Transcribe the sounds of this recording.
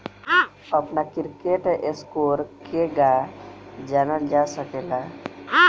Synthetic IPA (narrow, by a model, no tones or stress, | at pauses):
əpnakiɾkeʈʔeskoɾkeɡa | d͡ʒanəld͡ʒasəkela